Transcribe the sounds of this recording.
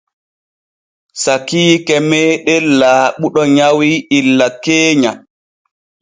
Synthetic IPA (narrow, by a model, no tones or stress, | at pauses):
sakiːkɛmɛːɗɛlːaːɓuɗɔɲawiilːakeːɲa